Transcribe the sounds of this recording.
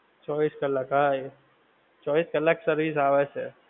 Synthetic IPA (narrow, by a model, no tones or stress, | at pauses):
t͡ʃɔːbiːskɐlakɦaj | t͡ʃɔːbiskɐlaksɐɾʋiːs̬aːʋɛse